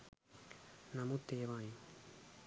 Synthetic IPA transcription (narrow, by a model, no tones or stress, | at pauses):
namut̪eβaĩ